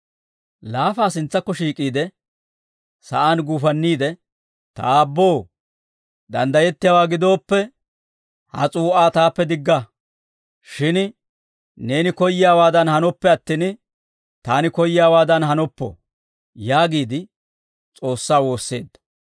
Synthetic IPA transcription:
laːfaːsɪnt͡sːɐkːɔʃiːkʼiːd̪ɛ | sɐ̰ʔaːnɡuːfɐnːiːd̪ɛ | t̪ɐ̰ːbːo̞ː | d̪ɐ̰nd̪ɐjɛt̪ːɪjaːwaːɡɪd̪o̞ːpːɛ | hɐ̰t͡sʼuːʔaːt̪aːpːɛd̪ɪɡːɐ | ʃɪn | ne̞ːnɪkɔjːɪjaːwaːd̪ɐnhɐnɔpːɛɐt̪ːin | t̪aːnɪkɔjɪjaːwaːd̪ɐnɦɐnɔpːɔ̰ | jaːɡiːd̪ɪ | t͡sʼo̞ːsːaːwo̞ːsːe̞̰ːd̪ːɐ̥

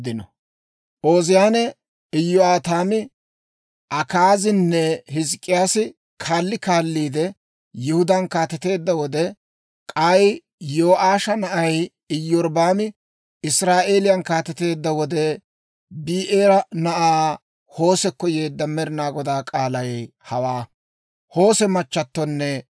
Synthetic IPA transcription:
d̪ɪnɔ | ʔo̞ːzɪjaːnɛ | ɪjːɔaːt̪aːmɪ | ʔɐkaːzɪnːɛɦɪzkʼːɪjaːsɪ | kʰaːlːɪkaːlːiːd̪ɛ | jɪhʊd̪ɐnkaːt̪ɛt̪e̞ːd̪ːɐwɔd̪ɛ | kʼaj | jo̞ːʔaːʃɐnɐʔɐj | ɪjːɔɾbaːmɪ | ɪsɾaːʔe̞ːlɪjɐnkaːt̪ɛt̪e̞ːd̪ːɐwɔd̪ɛ | biːʔeːɾɐnɐʔaː | ho̞ːsɛkːɔje̞ːd̪ːɐmɛɾɪnaːɡɔd̪aːkʼaːlɐjhɐwaː | ho̞ːsɛmɐt͡ʃːɐt̪ːɔnːɛ

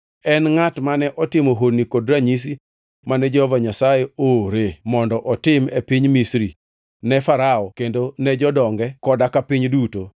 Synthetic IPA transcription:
ɛnŋatmanɛʔɔtɪmoɦodnikodɾaɲis̬i | manɛd͡ʒɛhɔvaɲasajeoɾemɔndɔʔɔtɪmepiɲmisɾi | nɛfaɾaɔkendonɛd͡ʒɔdɔŋɡɛkɔdakapiɲduto

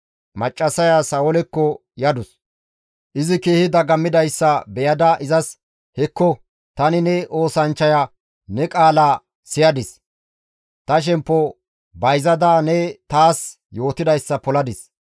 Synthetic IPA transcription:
mɐt͡ʃʼːɐsɐjasɐwɔlɛkːɔ | jɐd̪ʊs | ʔɪzɪkeːhɪd̪ɐɡɐmːɪd̪ɐjsːɐbɛjɐd̪ɐʔɪzɐs | hɛkːɔ | t̪ɐnɪnɛʔo̞ːsɐnt͡ʃːɐja | nɛkʼaːla | sɪjɐd̪ɪs | t̪ɐʃ̬ɛmpːɔ | bɐjzɐd̪aːnɛt̪aːs | jo̞ːt̪ɪd̪ɐjsːɐpɔlɐd̪ɪs

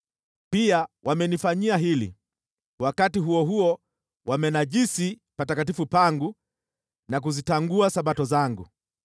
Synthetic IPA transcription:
piawʔamɛnifaɲiaɦilḭ | wakatiɦuɔɦuɔ | wamɛnaʄisi | patakat̬ifupaŋɡu | nak̬uzitaŋɡuasaɓatɔzaŋɡu

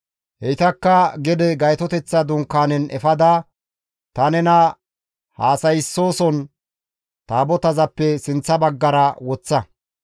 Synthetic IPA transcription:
hɛjɪt̪ɐkːɐɡɛd̪ɛɡɐjt̪ɔt̪ɛt͡sːɐd̪ʊŋkːaːnɛnʔɛfɐd̪aː | t̪ɐnɛnɐ | haːsɐjɪsːo̞ːsɔn | t̪aːbɔt̪ɐzɐpːɛsɪnt͡sːɐbɐɡːɐɾɐwɔt͡sːɐ

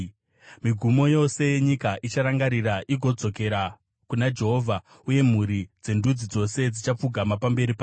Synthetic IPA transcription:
miɡʱumo̞jo̞se̞jeɲikaʔit͡ʃaɾaŋɡaɾiɾaʔiɡʱo̞d͡zo̞ke̞ɾa | kunad͡ʒe̞ɦo̞ːvʱa | uje̞m̤uɾid͡ze̞ndud͡zid͡zo̞se̞d͡zit͡ʃap͡fuɡʱamapambe̞ɾipa

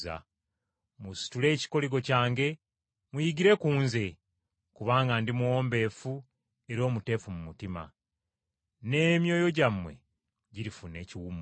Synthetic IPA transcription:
a̰ | musi̥tule̞ːci̥ko̞liɡo̞caːŋɡe̞ | mujiɡiɾe̞kuːnze̞ | kuβaːŋɡandimuwo̞ːmbe̞ːfu | e̞ɾo̞ːmute̞ːfumumutima̰ | ne̞ːmjo̞ːjo̞ɟamwe̞̰ | ɟiɾifune̞ːciwum

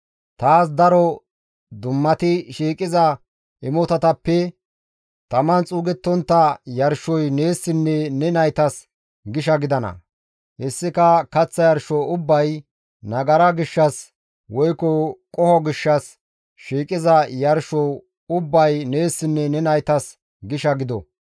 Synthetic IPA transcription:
t̪aːs̬d̪ɐɾɔ | d̪ʊmːɐt̪ɪʃiːkʼɪzɐ | ɪmɔt̪ɐt̪ɐpːɛ | t̪ɐmɐnt͡sʼuːɡɛt̪ːɔnt̪ːɐjɐɾʃɔjne̞ːsːɪnːɛnɛnɐjt̪ɐs | ɡɪʃɐɡɪd̪ɐnɐ̰ | hɛsːɪkɐkɐt͡sːɐjɐɾʃɔʊbːɐj | nɐɡɐɾɐɡɪʃːɐs | wɔjkɔkʼɔhɔɡɪʃːɐs | ʃiːkʼɪzɐjɐɾʃɔ | ʊbːɐjneːsːɪnːɛnɛnɐjt̪ɐs | ɡɪʃɐɡɪd̪ɔ̰

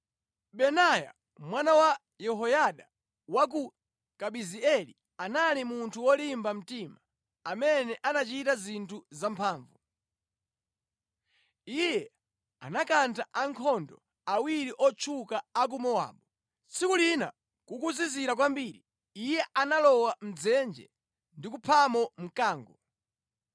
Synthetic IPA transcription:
ɓɛnaja̰ | mwanawa | jɛɦɔjaɗa | wak̬u | kaɓiziɛli | analimuntʰuwɔlimbam̩timaː | mɛnɛʔanat͡ʃitazintʰuzampʰaːɱvu | ijɛ | a̰nakantaʔaŋkʰɔndɔ̰ | awiɾiʔɔt͡ʃʰukaːk̬umɔwa̰ːɓɔ | t͡sʰikulina̰ | kukuziziɾakwambiːɾi | ijɛʔanalɔwam̩d͡zɛnd͡ʒɛ̰ | ndikupʰamɔm̩kaːŋɡɔ

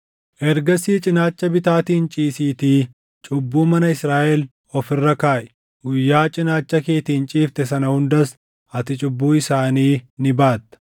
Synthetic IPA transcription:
ʔɛɾɡɐsiːt͡ʃʼɪnaːt͡ʃːɐbɪt̪aːt̪iːnt͡ʃʼiːsiːt̪iː | t͡ʃʼʊbːuːmɐnɐɪsɾaːʔɛl | ɔfɪrːɐkaːʔɛ̥ | ɡʊjːaːt͡ʃʼɪnaːt͡ʃːɐke̞ːt̪iːnt͡ʃʼiːft̪ɛsɐnɐhʊnd̪ɐs | ɐt̪ɪt͡ʃʼʊbːuːɪsaːniːnɪbaːt̪ːɐ̥

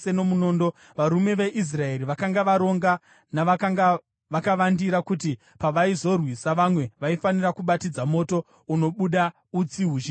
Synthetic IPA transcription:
eno̞muno̞ːndo̞ | ʋaɾume̞ʋe̞ʔis̬rae̞ɾiʋakaŋɡaʋaɾo̞ŋɡa | na | ʋakaʋandiɾakuti | paʋaizo̞rwisaʋamwe̞ʋaifanirakuɓatid͡zamo̞to̞ | uno̞ɓuɗa | ut͡siɦuʒi

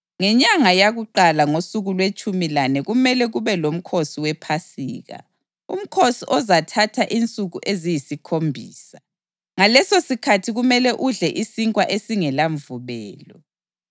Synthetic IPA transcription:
ŋɛɲaŋajaɣuǃalaŋosuɣulwet͡ʃʼumilanɛɣumɛlɛɣuβɛlom̩kʰosiwɛpʰasḭːɣa̰ | ṵm̩kʰosiʔɔzatʰatʰaʔint͡sʼuɣuʔezijisikʰombʱiːsa | ŋalɛsosikʰatʰiɣumɛlɛʔuɮɛʔisiŋkʼwaʔesiŋɛlaɱvuβɛːlɔ

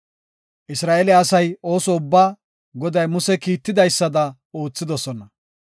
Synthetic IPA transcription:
ʔɪsɾaːʔelɛɐsɐjo̞ːsɔʊbːaː | ɡɔd̪ɐjmʊsɛkiːt̪ːɪd̪ɐjsːɐd̪ɐ | o̞ːt͡sːɪd̪ɔsɔnɐ

